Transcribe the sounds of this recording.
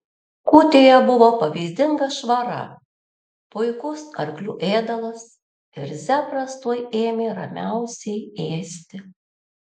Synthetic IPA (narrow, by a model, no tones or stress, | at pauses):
kuːt̪ʲeːjɛbʊʋoːpɐʋʲɛzʲd̪ʲɪŋɡɐʃʋɐɾɐ̰ | pʊɪkʊsɐɾʲklʲuːʔeːd̪ɐlˠɐs | ɪɾzʲæːpɾɐst̪uːjeːmʲeːɾɐ̰mʲæˑʊsʲɛɪeːsʲt̪ʲɪ